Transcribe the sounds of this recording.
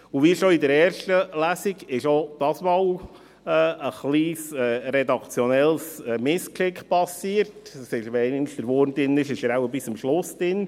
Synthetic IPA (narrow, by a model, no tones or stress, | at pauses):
ʊʋiʃoidəɾɛːɾʃtəlæsiɡɪʃod̥̪ɑsmɑːw | ɛəχliːsɛːɾɛd̪ɑkt͡sjɔnɛlsɛmɪskʃɪkχpɑsiːəɾtsɪʃʋɛɪnnsd̪əɾʋoːɾnd̪ɪnɪʃɪʃəɾawəbɪsəmʃlʊsd̥ɪn